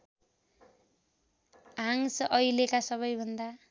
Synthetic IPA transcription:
aŋsʌjlekasʌβʌjbʱʌnd̪a

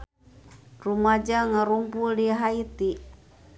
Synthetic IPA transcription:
rumad͡ʒaŋəɾumpuldiɦait̪i

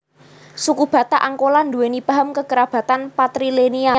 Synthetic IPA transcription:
sukub̥ä̤t̪aʔaŋkoland̪uwenipaɦəmkəɡəɾab̥a̤t̪anpat̪ɾilenia

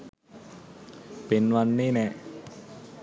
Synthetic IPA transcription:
penwanːiːnɛʔ

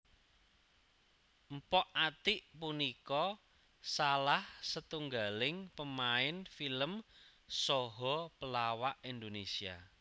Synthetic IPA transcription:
m̩pɔʔat̪iʔpunikɔ | salahsət̪uŋɡalɪŋpəmaɪnfiləmsɔɦɔpəlawaʔind̪onesia̰

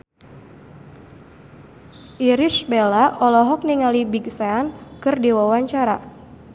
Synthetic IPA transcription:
ʔiɾisbelaʔɔlɔɦɔk̚niŋalibiɡsaankɨrdiwawaɲt͡ʃaɾa̰

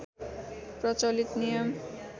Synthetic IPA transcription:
prʌt͡sʌlit̪nijʌm

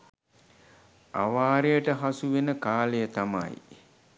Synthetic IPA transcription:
a̰ʋaːɾejəʈəɦasuʋenəkaːlejət̪ama̰j

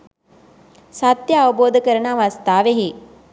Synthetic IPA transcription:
sat̪jəaʋəboːd̪əkəɾənaːʋast̪aːʋeɦe

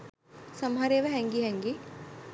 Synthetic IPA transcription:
sɐmɦɐɾeːʋɛɦɛŋɡiɦɛŋɡi

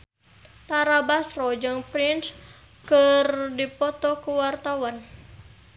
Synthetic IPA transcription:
t̪aɾabasrɔd͡ʒɨŋpɾins | kɨrdipɔt̪ɔkuwart̪awan

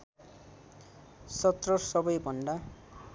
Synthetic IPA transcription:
sʌt̪rʌsʌbʌjbʱʌnɖa

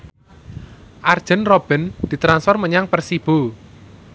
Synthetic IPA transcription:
ʔard̥ʒ̥ə̤nrob̥ɛ̤nd̪̥i̤t̪ɾansfɔrməɲaŋpərsib̥o

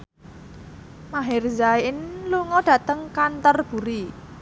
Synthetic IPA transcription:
maɦɪrzaɪnluŋɔɖ̥ä̤t̪əŋkant̪ɔrb̥ṳɾi

